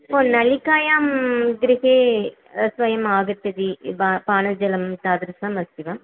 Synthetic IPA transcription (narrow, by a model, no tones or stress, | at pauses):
poːnɐlikaːjaːmɡɾɪɦeː | sʋɐjɐmaːɣɐt̪ːɐd̪ibapaːnɐd͡ʒɐlɐmt̪aːd̪ɾsaːmɐst̪iʋam